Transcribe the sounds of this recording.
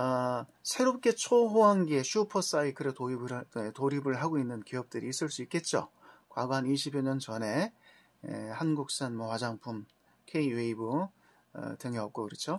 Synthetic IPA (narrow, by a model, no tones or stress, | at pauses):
asʰe̞ɾop̚k͈e̞t͡ɕʰoɦoɦanɡieɕʰupʰʌs͈aikɯɾeoetoɾibɯɭɦaɡoinːɯnkiʌp̚t͈ɯɾiːs͈ɯɭs͈uik͈e̞t̚t͡ɕ͈o̰kwa̰ɡoɦaniɕʰibjeɲʌnt͡ɕʌne̞ | ḛhanɡuk̚s͈anmʌwad͡ʑaŋpʰum | kʰe̞iweibu | ʌ̰tɯŋeʌp̚k͈okɯɾɯt͡ɕʰo